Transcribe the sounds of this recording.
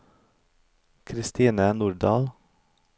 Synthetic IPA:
kʰɾɪst̪iːnənuːɖɑːl

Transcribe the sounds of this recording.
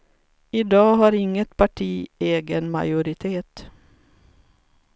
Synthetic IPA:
ɪd̪ɑːɦaɾɪŋːət̪pʰaʈʰiːeːɡənma̰jʊɾɪt̪ʰeːt̪

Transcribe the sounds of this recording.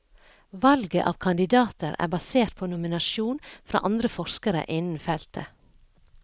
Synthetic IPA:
ʋɑlɡə̰ʔɑ̰ːʋkʰɑnd̪ɪd̪ɑːt̪əɾæ̰ːbɑseːɾt̪̚pʰoːnʊmɪnɑʃuːnfɾɑ̰ːʔɑnd̪ɾəfɔʃkəɾə̰ʔɪnn̩fɛlt̪ʰə̰

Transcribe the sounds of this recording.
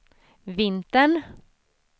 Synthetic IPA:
vɪnt̪əɳ

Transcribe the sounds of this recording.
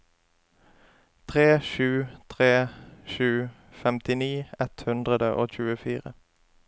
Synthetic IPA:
t̪ʰʁeːʃʉːt̪ʰʁeːʃʉː | fɛmt̪ɪniːɛt̪hʉnd̪ʁəd̪əʔoːc͡çʉːəfiːʁə

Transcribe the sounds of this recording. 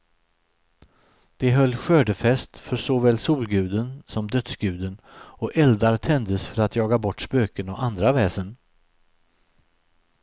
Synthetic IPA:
d̪̥ɛɦœlːɧøːɖəfɛst̪fœɾsɔvɛːlsuːlɡʉ̟ːd̪ənsɔmd̪œt̪sɡʉ̟ːd̪ənɔʔɛld̪aɾt̪ʰɛnd̪əsfœɾat̪jɑːɡabɔʈːspøːkənɔʔand̪ɾavɛːsən

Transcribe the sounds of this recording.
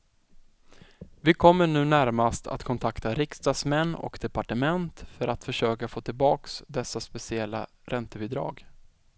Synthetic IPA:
vɪkʰɔmːəɳʉ̟ːnæɾmast̪ʰa̰t̪kʰɔnt̪ʰakt̪aɾɪkst̪ɑːsmɛnːɔ̰kd̪ɛpaʈəmɛnt̪fœɾʔat̪fœʂøːkafoːt̪ʰɪlbɑːksd̪ɛsːaspɛsɪɛlːa̰ | ɾʔɛnt̪əbɪd̪ɾɑ̰ːɡ

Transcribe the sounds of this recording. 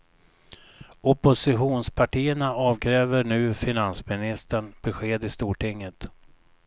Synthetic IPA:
ɔpʊsɪɧuːnspʰaʈʰiːəɳaɑːvkʰɾɛːvəɳʉ̟ːfɪnansmɪnɪst̪əɳb̥ɛɧeːd̪ɪst̪uːʈʰɪŋːət̪

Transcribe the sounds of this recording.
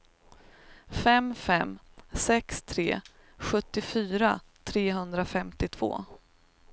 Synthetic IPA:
fɛmfɛm | sɛkst̪ʰɾeː | ɧɵt̪ːɪfyːɾat̪ʰɾeːɦɵnd̪ɾafɛmt̪ɪt̪ʰv̥o̰ː

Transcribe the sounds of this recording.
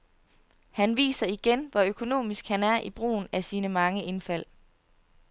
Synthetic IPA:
hænʋḭːsɐiɡ̥enʋɒøkʰo̝no̝̰ːmisɡ̥hænæɐʔib̥ʁṵːn̩æsiːnəmɑ̈ŋəʔe̝nfæl̰

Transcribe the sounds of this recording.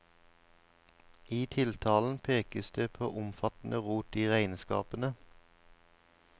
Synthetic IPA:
iːt̪ʰɪlt̪ʰɑːln̩pʰeːkəsd̪eːpʰo̰ːʔʊmfɑt̪n̩ʔəʁuːt̪iːʁæɪnskɑ̰ːpənə

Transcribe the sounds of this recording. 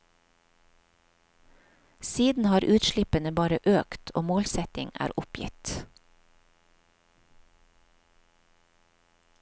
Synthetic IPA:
siːd̪n̩hɑːɾʔʉːt̪ʃlɪpənəbɑːɾəʔøːkt̪ʰʔo̰ːmoːlsɛt̪ɪŋæ̰ːɾʔʊpjɪ̰t̪

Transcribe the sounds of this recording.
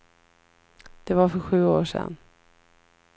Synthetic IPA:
d̪̥ɛvaɾfœɾɧʉ̟ːoːʂɛ̰nː

